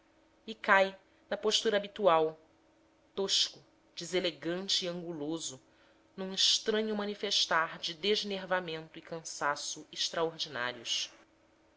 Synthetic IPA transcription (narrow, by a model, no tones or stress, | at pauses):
ikaj | nɐpoʃt̪uɾɐaːbit̪uaw | t̪oʃkʊ | d͡ʒɪzeleɡɐ̃nt͡ʃɪːɐ̃ŋɡulozʊ | nũɪʃt̪ɾɐ̃ɲʊmɐ̃nifeʃt̪aɾd͡ʒɪd̪eʒneɾvamẽnt̪ʊikɐ̃sasʊɪʃt̪ɾaoɾd͡ʒina̰ɾiʊs